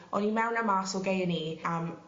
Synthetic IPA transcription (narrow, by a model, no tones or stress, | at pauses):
ɔnimɛwnamaːsɔɡejəniəm